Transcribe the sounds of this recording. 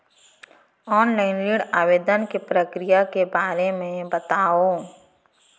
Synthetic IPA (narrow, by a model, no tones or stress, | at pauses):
ɔːnlaɪnliːɽaːʋeːd̪ənkepɾəkɾijakebaːɾemẽbət̪aːoː